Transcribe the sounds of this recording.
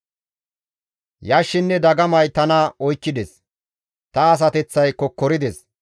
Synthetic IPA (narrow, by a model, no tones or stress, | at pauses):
jaːʃːɪnːɛd̪ɐɡɐmɐjt̪ɐnɐɔjkːɪd̪ɛs | t̪ɐːs̬ɐt̪ɛt͡sːɐjkɔkːɔɾɪd̪ɛs